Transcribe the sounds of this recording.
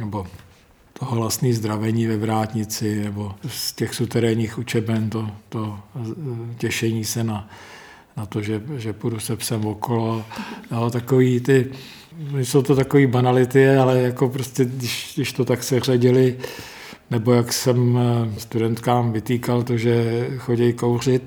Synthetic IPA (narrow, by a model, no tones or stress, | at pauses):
nɛbo | t̪ʰoɦoɦlast̪niːzd̪ɾavɛɲiːvɛvɾaːt̪ɲɪt͡sɪnɛbo̞scɛxsut̪ɛɾɛɲiːxut͡ʃɛbɛnt̪ot̪o | cɛʃɛɲiːsɛna | nat̪oʒɛʒɛpudusɛpsɛmvokolojot̪akoviːt̪ɪ | nɪsowt̪ot̪akoviːbanalɪt̪ɪɛalɛjakopɾoscɛdɪʃdɪʃt̪ot̪aksɛr̝aɟɪlɪ | nɛbo̞jaksɛmst̪udɛnt̪kaːmvɪt̪iːkalt̪oʒɛxo̞ɟɛjkowrɪt̪̚